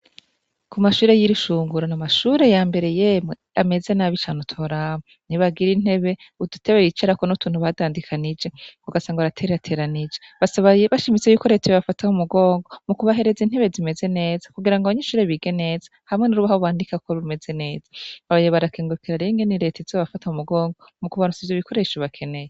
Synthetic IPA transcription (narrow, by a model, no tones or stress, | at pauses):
kumaʃuːɾe̞jiɾiʃuːŋɡuɾanamaʃuɾe̞jaːmbe̞ɾe̞jemŋeame̞ze̞naβit͡ʃanotʰo̞ɾaβo | niβaɡiɾin̥he̞βe̞ | udutʰeβejit͡ʃeɾakonutuːn̥huβaadaːndikʰanid͡ʒe̞βuɡasaːŋɡaɾatʰeɾeatʰe̞ːɾanid͡ʒeβasaβaeβaʃimit͡se̞juko̞ɾe̞ːteoβafataumuɡo̞ːŋɡo̞mukuβaɦe̞ɾe̞zin̥he̞βe̞zime̞ze̞ne̞ːzḁkuɡiɾaŋɡaβaɲeʃuːɾeβiɡe̞ne̞ːzḁ | hamŋe̞nuɾuβahoβwaːndikakoβume̞ze̞ne̞ːz̥aβaβajeβaɾakeːŋɡukiɾaɾeŋɡeniɾe̞ːtezoβafataumuɡo̞ːŋɡo | mukuβanut͡sivjoβiko̞ɾe̞ʃoβakʰe̞ne̞je